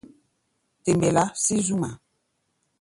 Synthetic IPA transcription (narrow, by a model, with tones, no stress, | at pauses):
te˨mbɛ˨la˦si˦zu˦ma˨